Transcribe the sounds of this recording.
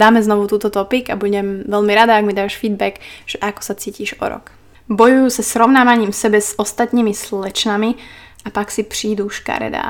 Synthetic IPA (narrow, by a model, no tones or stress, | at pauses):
d̪aːmɛznɔʋut̪uːt̪ɔt̪ɔpiɡabuɟɛmʋɛʎmiɾad̪aːɡmid̪aːʃfiːd̪bɛkʒ̥ɛʔakɔ̥sat͡siːciːʒɔ̰ɾɔ̰k | bɔjujuːsasɾɔʊnaːʋaɲiːmsɛbɛzɔst̪at̪niːmisllɛt͡ʃnami | apaksipriːd̪uːʃka̰ɾɛ̰d̪a̰ː